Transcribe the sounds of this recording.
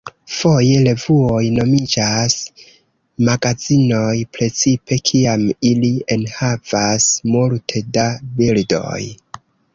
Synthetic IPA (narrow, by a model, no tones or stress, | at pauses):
fo̞je̞le̞vuo̞jno̞mid͡ʒas | maɡad͡zino̞jpɾe̞t͡sipe̞kʰiamilie̞nhavasmultʰe̞dabildo̞̰j